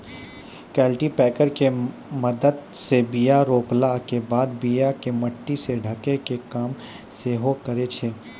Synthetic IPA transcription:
kɛːlʈipɛːkəɾke | mɐd̪əd̪sebijaɾoːplakebaːd̪bijakemɐʈːiseɖʱɐkekekaːm | seɦokəɾet͡ʃʰeː

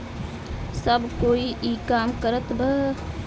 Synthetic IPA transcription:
səbkoːiʔiːkaːmkəɾət̪bəɦ

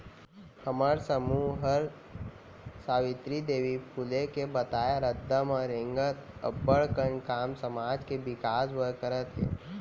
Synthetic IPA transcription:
həməɾsəmuːɦəɾ | saːʋɪt̪ɾid̪eːʋipʰulekebət̪aːjaɾəd̪ːəmɔːɾẽŋɡət̪ə̰bəɭkəɳkaːmsəmaːd͡ʒkebɪkaːsʋəɾkəɾət̪ɦɛ̰ː

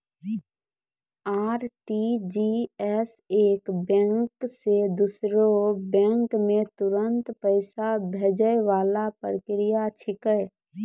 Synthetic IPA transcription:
aːɾʈid͡ʒiɛseːkbɛ̃ːŋksed̪ʊsɾobɛ̃ːŋkmẽt̪ʊɾə̃nt̪pəɪsabʱed͡ʒəjʋaːlapəɾkɾɪjat͡ʃʰɪkəj

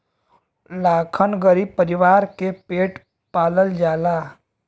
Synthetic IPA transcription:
lakʰənɡəɾib̚pəɾiʋaɾkepeʈ | paləld͡ʒala

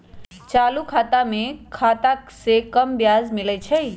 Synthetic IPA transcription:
t͡ʃaːlukʰaːt̪amekʰat̪asekəmbjazmilət͡ʃʰəj

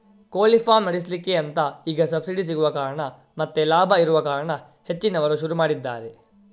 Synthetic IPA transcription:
koːlifaːmnɐɽislikːeɐnt̪ɐiːɡɐsɐbsiɽis̬iɡuʋɐkaːɾɐɳɐ | mɐt̪ːelaːbʱɐiɾuʋɐkaːɾɐɳɐ | he̞t͡ʃːinɐʋɐɾuʃuɾumaːɽid̪ːa̰ːɾe

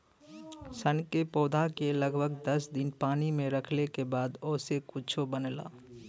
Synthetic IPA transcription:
sənkepoːd̪ʱakeləɡbʱəɡd̪əsd̪ɪnpaːnimẽɾəkʰlekebaːd̪oːsekʊt͡ʃʰobənla̰ː

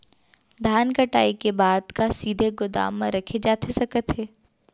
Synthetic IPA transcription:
d̪ʱaːnkɐʈa̰ːikebaːd̪kasiːd̪ʱeɡʊd̪a̰ːmːã̰ɾɐkʰed͡ʒaːt̪ʰesɐkət̪ɦeː

